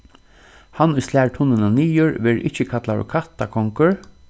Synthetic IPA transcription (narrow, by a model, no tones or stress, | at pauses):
hanʊjslæːɹʈ̪ʰʊnːənaniːʊɹʋɛɹɪ̰hcəkʰat̪laɾʊ̰kʰat̪akʰɔŋkəɹ